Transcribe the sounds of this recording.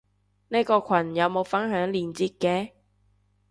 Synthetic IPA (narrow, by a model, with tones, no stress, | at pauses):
ne˥kɔː˧kʷʰɐ˨˩njɐ˨˧wmo˨˧wfɐ˥nɦœː˨˥ŋliː˨˩nt͡siː˧t̚kɛː˧